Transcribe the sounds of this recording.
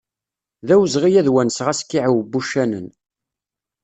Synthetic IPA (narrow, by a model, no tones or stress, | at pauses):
ðæwzʁijæðwænsʁæskːiʕwbːuʃːænə̰n